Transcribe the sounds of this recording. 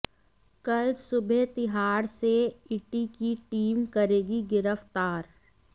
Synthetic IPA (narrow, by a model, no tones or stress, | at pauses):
kɐlsʊbʱet̪ɪɦaːɾseɪʈikiʈiːmkɐɾeːɡiɡɪɾəft̪aːɾ